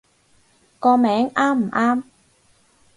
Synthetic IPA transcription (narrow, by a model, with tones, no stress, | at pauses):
kɔː˧mɛː˨˥ŋaː˥m̩˨˩ʔaː˥m